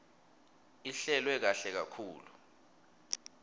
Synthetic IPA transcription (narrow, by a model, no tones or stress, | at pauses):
iɬɛlwɛk̬aɬɛk̬a̰kʰuːlu